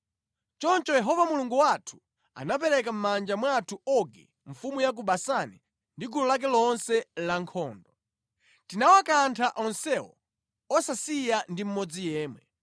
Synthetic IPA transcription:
t͡ʃɔnt͡ʃɔjɛɦɔvamuluŋɡuwatʰu̥ | a̰nap̬ɛɾɛkam̩mand͡ʒamwatʰuɔɡḭ | ɱ̩fumujak̬uɓasani | ndiɡulɔlak̬ɛlɔnsɛlaŋkʰɔːndɔ | tinawakantʰaʔɔnsɛwɔ̰ | ɔsasijandim̩mɔd͡zijɛːmwɛ

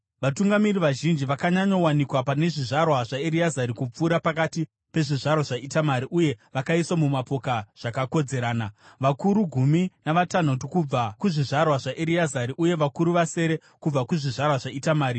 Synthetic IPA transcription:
ʋatuŋɡamiriʋaʒind͡ʒiʋakaɲaɲowanikwapane̞ʐiʐarwaʐaeɾiazaɾikup͡fuːɾapakati | pe̞ʐiʐarwaʐaitamaɾiʔuje̞ʋakaiswamumapo̞kaʐ̥akako̞d͡ze̞ɾaːnaʋakuɾuɡʱuminaʋatan̤otokub͡vakuʐiʐarwaʐaʔeɾiazaɾiʔuje̞ʋakuɾuʋase̞ːɾe̞ | kub͡vakuʐiʐarwaʐaitamaːɾi

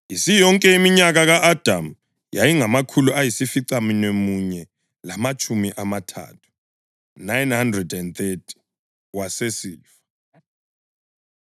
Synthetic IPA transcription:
isijɔŋkʼɛimiɲak̬ak̬aʔad̥ʱam̩ | jajiŋamakʰuluajisifiǀaminemuɲɛ | lamat͡ʃʰʼumiʔamatʰa̰tʰu̥ | najnhandrɛdɛnt̪etʰi̥ | wasesiːfḁ

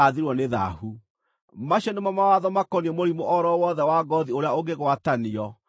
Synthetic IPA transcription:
aðiɾwɔneða̰hu | maɕɔnemamawaðɔmakɔniɔmoɾimoʔɔɾɔwɔðɛwaɡɔðioɾeaoɡeɣwataniɔ

